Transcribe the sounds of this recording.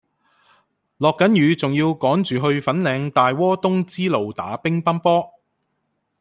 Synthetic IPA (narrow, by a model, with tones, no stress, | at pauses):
lɔː˨kːɐ˨˥njyː˨˧t͡sʊ˨ŋjiː˧wkɔː˨˥ŋt͡ʃyː˨˩ɦɵ˧ɥfɐ˨˥nlɛː˨˧ŋt̪aː˨jwɔː˥t̪ʊ˥ŋt͡siː˥lo˨wt̪aː˨˥pɪ˥ŋpɐ˥npɔː˥